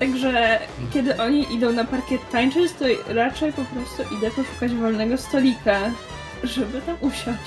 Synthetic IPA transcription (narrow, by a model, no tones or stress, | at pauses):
t̪aɡʐɛkʲɛd̪ɘʔɔɲiʔid̪ɔ̃w̃napaɾkʲɛt̪ːaɲt͡ʂɘst̪ɔɾat͡ʂɛjpɔpɾɔst̪uʔid̪ɛpɔʂu̥kad͡ʑvɔlnɛɡɔst̪ɔlʲika | ʐɛbɘt̪amʔuɕat͡ɕ